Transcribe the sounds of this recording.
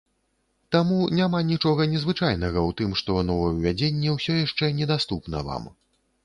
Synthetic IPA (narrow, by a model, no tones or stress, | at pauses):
t̪amunʲamanʲit͡ʂɔɣɐnʲɛzvɨt͡ʂajn̪ɐɣɐwt̪ɨmʂt̪ɔnɔvɐjwvʲad͡zʲenʲːɛwsʲɔjaʂt͡ʂɛnʲɛd̪ast̪upnɐ̰va̰m